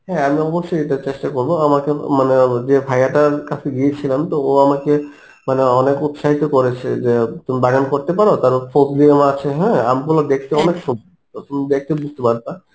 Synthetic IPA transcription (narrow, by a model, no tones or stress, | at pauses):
ɦɛ̃amiɔboʃːojeʈat͡ɕeʃʈakoɾboamakemaned͡ʑebʱajaʈaɾkat͡ɕʰeɡiet͡ɕʰilamt̪ooamake | maneɔnekut̪ʃaɦit̪okoɾet͡ɕʰḛd͡ʑet̪umibaɡankoɾt̪epaɾot̪aɾpɔɾefʰot̚liamat͡ɕʰeɦɛ̃a̰mikulad̪ekʰt̪eɔnekʃum | t̪ot̪omid̪ek̚ʰt̪ebust̪epaɾt̪a